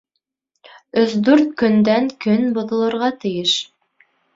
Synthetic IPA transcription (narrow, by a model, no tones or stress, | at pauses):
ɵsd̪ʉɾt̪̚kɵ̆nd̪æŋkɵnbŏðɤ̆lˠɤ̆ɾʁɑt̪ɘ̆jɘʃ